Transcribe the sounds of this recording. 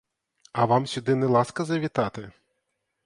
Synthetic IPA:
ɐʋɑmsʲʊd̪ɪnɛlˠɑskɐzɐʋʲit̪ɑt̪ɪ

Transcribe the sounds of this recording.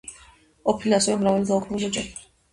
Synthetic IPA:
ɔpʰiliasɛvɛmɾavalid̪aukʰnulɔd͡ʒan

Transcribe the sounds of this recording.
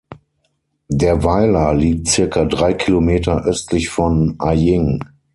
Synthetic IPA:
deːɐvaɪlɐliːk̚tt͡sɪɐkʰadʁaɪkʰilomeːtɐʔœstʰlɪçfɔnʔajɪŋ

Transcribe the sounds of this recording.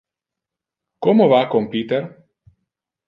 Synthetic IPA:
kɔmovakɔmpit̪ɛɾ

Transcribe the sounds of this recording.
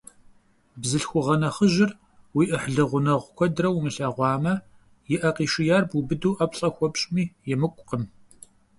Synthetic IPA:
bzɨɬxʷʊʁɐnɐχəʒɪr | wiːʔəħɮɨʁʷʊnɐʁʷkʷʰɔdrɐwmɨɬɐʁʷɑːmɐ | jɪʔɐqiːʃɪjaːrbubɨduːʔɐpɬʼɐxʷɔpɕʼmiːjɛmɨkʷʼqəm

